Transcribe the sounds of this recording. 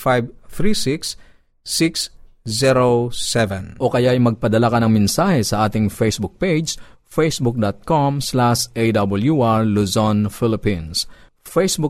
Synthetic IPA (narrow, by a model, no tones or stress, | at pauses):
fajvθɾisiks | siks | ziɾosɛvɛnʔokɐjaɐjmɐɡ̚pɐd̪ɐlakɐnɐŋmɛnsaːhɛsɐʔaːt̪ɪŋfejsbuk̚ped͡ʒs | fejsbuk̚d̪ot̪̚komslaʃʔejd̪ɐbɐljuʔaɹluzonfɪlɪpĩns | fejsbuk